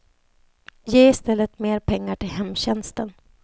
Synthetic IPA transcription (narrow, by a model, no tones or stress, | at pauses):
jeːɪst̪ɛlːət̪meːɾpʰɛŋːaʈʰɪlhɛmːɕɛnst̪ən